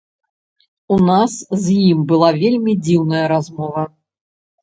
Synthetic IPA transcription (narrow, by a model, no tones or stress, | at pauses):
unaszjimbɨlˠavʲelʲmʲid͡zʲiwnɐjɐɾazmɔvɐ